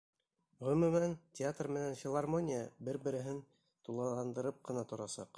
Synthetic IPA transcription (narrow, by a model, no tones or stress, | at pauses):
ʁɵ̆mɵ̆mæntʲɪat̪rmɘ̆nænfʲɪlˠarmonʲɪjəbɘɾbɘ̆ɾɘ̆ɦɘn | t̪ulˠɑlˠɑnd̪ɤ̆ɾɤp̚qɤ̆nɑt̪ŏɾɑsɑ̰q